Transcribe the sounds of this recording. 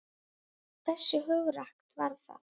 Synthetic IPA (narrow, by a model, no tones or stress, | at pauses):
θɛsːɪɦʏɣɾahkt̪vaɾθa̰ð